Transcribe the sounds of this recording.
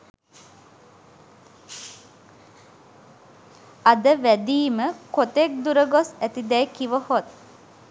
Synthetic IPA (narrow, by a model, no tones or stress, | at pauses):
ad̪əʋæd̪iːməkot̪ek̚d̪uɾəɡosæt̪id̪ɛjkiʋəhot̪̚